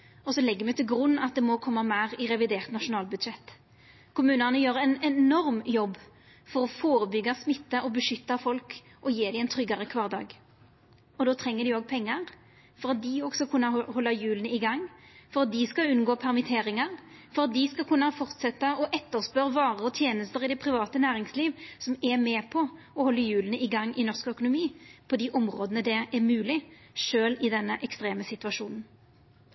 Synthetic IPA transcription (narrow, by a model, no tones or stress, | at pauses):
ɔsɔlɛɡːəmɛt̪ʰɪlɡɾʉnːɑt̪̚d̪ɛmɔkʰɔmːɑmæːʁɪʁɛʋɪd̪eːʁt̪nɑʂʊnɑːlbʉd̪ʃɛt̪ː | kʰʊmʉːnənəjøːʁɛnɛnɔɾmjɔbː | fɔɾɔfoːɾəbʏɡɑsmɪt̪ːəʔɔbəʂʏt̪ːɑfɔlk | ʔɔjeːd̪ɪɛnt̪ʰɾʏɡɑɾəkʰʋɑːʁd̪ɑ̰ːɡ | ɔd̪oːt̪ʰɾɛŋːəd̪ɪoːɡ̚pʰɛŋːɑʁ | fɔɾɑt̪̚d̪ɪɔɡsɔkʰʉnːɑhɔlːɑjʉːlənəɪɡɑŋːfɔʁɑt̪̚d̪ɪskɑʉnɡoːpʰɛʁmɪt̪ʰeːʁɪŋɑʁfɔʁɑt̪̚d̪ɪskɑkʰʉnːɑfɔʁt̪sɛt̪ːəɔʔɛt̪ːəʁspœʁʋɑːʁəɔt̪ʰjeːnəst̪əʁɪd̪ɛpʰʁɪʋɑːt̪ənæːʁɪŋsliːʋsɔmɛmɛpʰɔ | ɔhɔlːəjʉːlənəɪɡɑŋːɪnɔʁskœkʊnʊmiːpʰɔd̪iːʔɔmʁoːd̪ənəd̪ɛɛʁmʉːlɪ | ʂøːlɪd̪ɛnːəʔɛkst̪ʁeːməsɪt̪ʉʋɑʂuːnn̩